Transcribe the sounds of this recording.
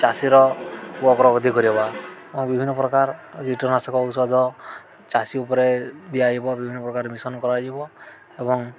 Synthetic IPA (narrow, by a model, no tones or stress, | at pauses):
t͡ʃasiɾɔwɔkɾɔɡɔd̪ʱikɔɾibaebɔŋbibʱinːɔpɾɔkaɾd͡ʒiʈɔɾnasɔkɔut̪sad̪ʱɔ | t͡ʃasiupɔɾed̪ijad͡ʒibɔbibʱinːɔpɾɔkaɾemisɔnɔkɔɾad͡ʒibɔ | ebɔŋ